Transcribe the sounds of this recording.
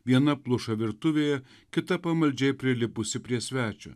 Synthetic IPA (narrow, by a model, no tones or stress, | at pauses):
ʋʲiɛnɐplˠʊʃɐʋʲɪɾt̪ʊʋʲeːjɛ | kʲɪt̪ɐpɐmɐlʲd͡ʒʲɛɪpʲɾʲɪlʲɪpʊsʲɪpʲɾʲiɛsʲʋʲæːt͡ʃʲʊ̰ː